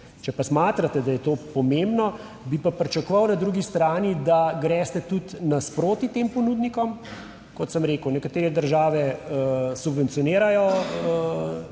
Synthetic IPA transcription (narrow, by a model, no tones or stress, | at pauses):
t͡ʃɛpasmaːt̪ɾat̪ɛd̪ajɛt̪oːpɔmembnɔ | bipapɾɛt͡ʃakʋɐwnad̪ɾuːɡist̪ɾaːnid̪aɡɾɛst̪ɛt̪ut̪naspɾoːt̪it̪empɔnuːd̪nikɔm | kɔt̪səmɾeːkəwnɛkat̪eːɾɛd̪əɾʒaːʋɛəsubʋɛnt̪sijɔneːɾajɔə